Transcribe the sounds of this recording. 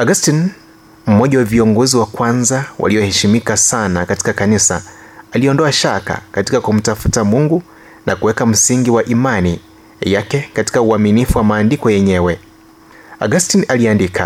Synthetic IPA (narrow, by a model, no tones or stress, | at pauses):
aɡastin | m̩mɔʄawaviɔŋɡɔziwakwanzawʔa̰lijɔhɛʃimikasanakati̥kakanisa̰ | aliɔndɔaʃaka̰kati̥kakum̩tafutamuŋɡu | nʔa̰kuwɛkam̩siŋɡiwaʔimani | jakɛkati̥kauaminifuwamaːndikɔjɛɲɛwɛ | aɡastinaliandikʰa̰